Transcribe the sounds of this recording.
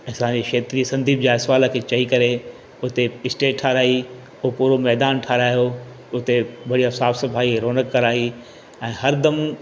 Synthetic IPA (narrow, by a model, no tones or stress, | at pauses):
ɐsãːɲd͡ʑeːʃeːt̪ɾisɐ̃nd̪ʱiːbd͡ʑaːɪsʋaːlə̆kʰeːt͡ɕɐikɐɾe | ʊɦt̪eɪsʈeːʈʈʰːaːɾaːi | ʊɦopuːɾomɛːd̪aːnʈʰaːɾaːjo | ʊt̪ebɐɽijasaːfsɐfaːiɾoːnəkːɐɾaːi | ɛ̃ːɦɐɾd̪ɐm